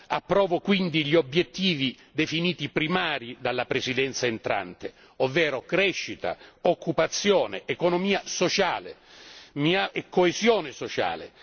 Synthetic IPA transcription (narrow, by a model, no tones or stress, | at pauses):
a̰pːɾɔːvokwind̪iʎiobjet̪ːiːvi | d̪efiniːt̪ipɾimaːɾid̪alːapɾesid̪ɛnt̪saent̪ɾa̰nt̪e | ovːɛːɾokɾɛʃːit̪a̰okʰːupat̪sːjɔːneːkonomiːasot͡ʃaːlemiaʔɛkʰːoezjɔːnɪsot͡ʃa̰ːlḛ